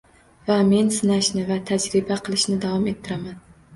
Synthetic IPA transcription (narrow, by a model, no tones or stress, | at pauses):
vame̞nsɪnaʃnɪvat̪ʰad͡ʒɾɪbaqʰɨlˠɪʃnɪd̪avɒme̞t̪ʰːɪɾaman